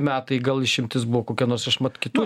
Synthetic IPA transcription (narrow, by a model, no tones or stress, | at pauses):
mʲæːt̪ɐɪɡɐlˠɪʃʲɪmʲt̪ʲɪsbuʋɔkoːkʲɛnoːsɐʃmɐt̪kʲɪt̪uː